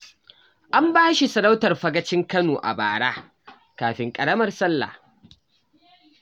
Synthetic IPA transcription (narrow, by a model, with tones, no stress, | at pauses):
ʔa˦mbaː˦ʃi˨sɐ˨ɽa˦wtɐ˨rɸɐ˦ɡɐ˦t͡ʃɪ˦ŋkɐ˦noː˨ʔa̰˨ba̰ː˨ɽaː˦ | kaː˨ɸɪ˨ŋkʼɐ˨ɽɐ˦mɐ˦rsɐ˦lːa̰˨h